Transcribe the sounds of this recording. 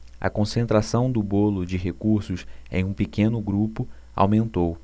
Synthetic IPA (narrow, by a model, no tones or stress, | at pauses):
ɐ̰kõsẽnt̪ɾasɐ̃w̃d̪ʊbolʊd͡ʒɪɦekuɾsʊsḛ̃j̃ũpikẽnʊɡɾupʊ | a̰wmẽnt̪ow